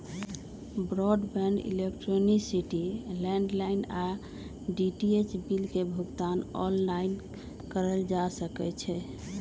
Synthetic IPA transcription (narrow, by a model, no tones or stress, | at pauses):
bɾɔɖbɛnɖḭlekʈɾoniksiʈilɛ̃ɳɖlaina | ɖiʈiet͡ʃbilkebʱuɡt̪anɔ̰lːain | kəɾəld͡ʒasəkɛt͡ʃʰɛ